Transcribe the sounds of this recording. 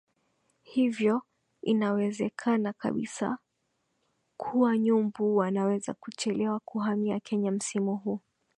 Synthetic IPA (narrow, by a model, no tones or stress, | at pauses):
hivjɔ | inawɛzɛkʰanaka̰ɓḭsa̰ | kʰuwaɲumbuwanawɛza̰kut͡ʃɛlɛwakuɦamiakʰɛɲam̩simuɦuː